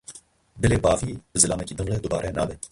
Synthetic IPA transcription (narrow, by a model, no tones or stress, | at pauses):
bɛleːbɑːviːbɨzɨlaːmɛkiːd̪ɨŋlɛd̪ʊbaːɾʔɛnʔa̰ːbɛ